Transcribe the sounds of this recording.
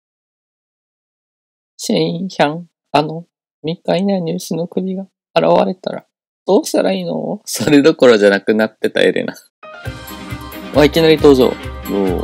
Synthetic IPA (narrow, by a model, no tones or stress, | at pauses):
ɕẽĩçãŋ | ano̞ | mʲikːainaɲ̟ɨːsɨno̞kɯ̟ɾʲiɡaː | ɾa̰βa̰ɾe̞t̪a̰ɾa̰ | d̪̥o̞ːɕt̪aɾaiːno̞̰so̞ɾe̞d̪o̞ko̞ɾo̞ʑanakɯ̟nat̪ːe̞t̪a̰ḛɾḛna | βaikʲinaɾʲit̪o̞ːʑo̰ːjoː